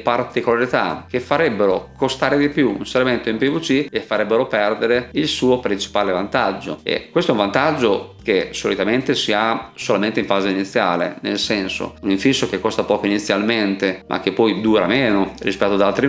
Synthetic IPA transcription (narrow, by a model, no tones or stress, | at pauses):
part̪ikolaɾit̪a̰k̟efːaɾɛbːeɾokost̪aːɾed̪ipjuṵnseɾment̪oimpivut͡ʃiefːaɾɛbːeɾopɛrd̪eɾeilsuːopɾint͡ʃi̥paːlevant̪ad͡ʒːo̰ḛkwest̪oɛuɱ̃vant̪ad͡ʒːok̟esolit̪ament̪esiasolament̪eiɱfaːzeinit̪sːjaːlḛnḛlsɛnso̰uniɱfisːok̟ekːost̪apɔːkoinit̪sːjalment̪emʔa̰k̟ːepːɔjd̪uːɾa̰meːnorispɛt̪ːoad̪alt̪ɾi